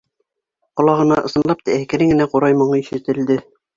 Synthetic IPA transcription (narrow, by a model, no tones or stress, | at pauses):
qŏlˠɑʁɤ̆nɑʔɤ̆sɤ̆nlˠɑp̚t̪iæ̆kɘ̆ɾɘŋɡɘ̆næquɾɑjmŏɴɤjĭʃɘ̆t̪ɘ̆ld̪ɘ